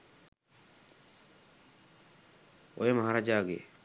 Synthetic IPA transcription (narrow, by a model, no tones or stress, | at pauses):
o̰ːɦeməɦaːɾaːd͡ʒaːɡḛː